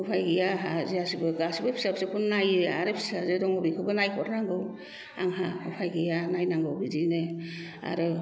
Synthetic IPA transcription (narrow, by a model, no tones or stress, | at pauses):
ɯpʰajɡijaɦaziasibɯɡasibɯpʰi̥sap̚sekʰunnajɯaɾepʰi̥sazɯdɔŋɔbikʰɯbɯnajkʰɔɾnaŋɡɯw | a̰ŋɦaɯpʰajɡijanajnaŋɡɯwɡizinɯ | a̰ɾɯ